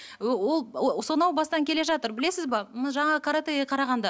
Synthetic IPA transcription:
wo̞lˠsonɑwbɑsət̪ɑŋkʲʰe̞le̞ʒɑt̪əɾbɪle̞sɪzbɑmnʒɑɴɑʁəkʰaɾat̪ejɡʲeqʰɑɾɑʁɑnd̪ɑ

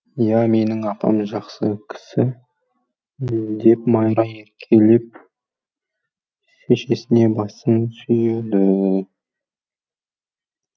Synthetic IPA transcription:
jæme̞nɪŋɑpɑ̰mʒɑqsəkʲʰɪ̥sɪ | d̪e̞pmɑjɾɑeɾkʲʰe̞lep̚ | ʃe̞ʃe̞sɪne̞bɑsənsʏjed̪ɪ

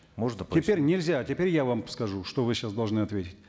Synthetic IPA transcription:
moʐnəpʲɪpʲeɾʲnʲɪlʲzʲatʲɪpʲeɾʲjavamskɐʐuʂt̪ovɨɕasd̪ɐlˠʐnɨɐt̪vʲetʲɪt̚ʲ

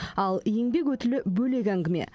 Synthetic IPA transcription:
ɑlˠje̞ŋbe̞kwɵt̪ɪlɪbɵle̞kʲæŋɡʲɪme̞̰

